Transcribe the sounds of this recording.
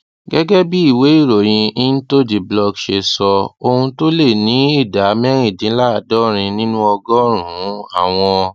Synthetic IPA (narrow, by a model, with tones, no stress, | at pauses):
ɡɛ˦ɡɛ˦bi˦i˦˨we˨˦i˦˨ɾo˨j̃ĩ˧i˦n̩˦to˦d͡ʒi˨blɔ˧ɡʃe˧sɔ˧o˧hũ˧to˦le˦˨nĩ˨˦i˦˨da˨˦mɛ˦ɾ̃ĩ˦˨dĩ˨˦la˦˨dɔ˦ɾ̃ĩ˧nĩ˦nũ˦ɔ˧ɡɔ˦ɾ̃ũ˨˦a˦˨w̃ɔ̃˧